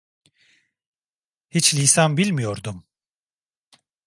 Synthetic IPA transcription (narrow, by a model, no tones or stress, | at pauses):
hit͡ʃlʲisanbilʲmijoɾd̪um